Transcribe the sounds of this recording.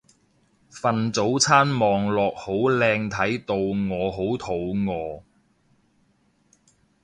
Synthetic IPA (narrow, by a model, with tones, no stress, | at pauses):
fɐ˨nt͡so˨˥wt͡sʰaː˥nmɔː˨ŋlɔː˨k̚ho˨˥wlɛː˧ŋt̪ʰɐ˨˥jt̪o˨˧wŋɔː˨˧ɦo˨˥wt̪ʰo˨˥wŋɔː˨˧